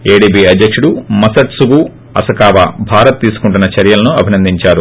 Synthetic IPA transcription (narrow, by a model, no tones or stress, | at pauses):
eːɖiːbiːɐd̪ːɐkʂuɽumɐsɐʈsuɡu | ɐ̰sɐkaːʋa̰ːbʱaːɾɐt̪ːiːsu̥kuɳʈunːɐt͡ʃɐɾjɐlɐnuɐbʱinɐnd̪iɲt͡ʃaːɾu